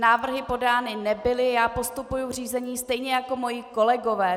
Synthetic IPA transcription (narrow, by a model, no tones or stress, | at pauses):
naːvr̩ɦɪpo̞daːnɪnɛbɪlɪjaːpo̞st̪upujur̝iːzɛɲiːst̪ɛjɲɛjako̞mo̞jɪko̞lɛɡo̞vɛː